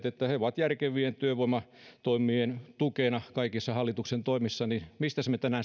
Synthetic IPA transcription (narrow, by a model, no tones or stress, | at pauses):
t̪et̪ːæheoʋɑt̪jærkeʋient̪yøʋoimɑt̪oimˑient̪ukeˑnɑkɑikisːɑhɑlːit̪uksent̪oimisːɑninmist̪æsmet̪ænæːn